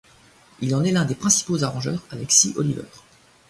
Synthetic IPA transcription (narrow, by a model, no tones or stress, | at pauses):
ilɑ̃nɛlɛ̃d̪epχɛ̃si̥pozaʁɑ̃ʒœːʁalɛksiʔɔlivœ̰ːʁ